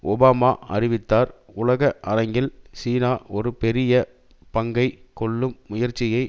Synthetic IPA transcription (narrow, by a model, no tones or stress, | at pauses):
ɔbaːmaːɐ̰ɾɪʋɪt̪ːaːɾ | ʊlɐɣɐʔɐɾɐŋɡɪlsiːnaːɔɾɯpɛɾɪjɐ | pɐŋɡɐɪkɔɭːɯmːʊjɐɾt͡ʃːɪjɐɪ